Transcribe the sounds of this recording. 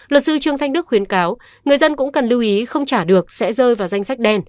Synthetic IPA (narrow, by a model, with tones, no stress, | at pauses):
lə˨˩t̚sɨ˧t͡ɕɨ˨˩əŋt̪ʰjŋ̟ɗɨ˦˥kxwi˨˦ənkaː˨˦w | ŋɨ˨˩əjzə˧nkʊ̰˧˥ŋ͡mkə˨˩nlɨ˧wʔi˨˦xə˧wŋ͡mt͡ɕaː˧˩ɗɨ˨˩ək̚sɛ̰˧˥zəː˧jvaː˨˩wza˧jŋ̟sa˦˥jk̚ɗɛ˧n